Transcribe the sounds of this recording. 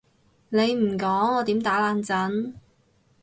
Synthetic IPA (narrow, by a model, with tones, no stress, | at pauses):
ne˨˧jm̩˨˩kɔː˨˥ŋɔː˨˧t̪iː˨˥mt̪aː˨˥laː˧nt͡sɐ˨˥n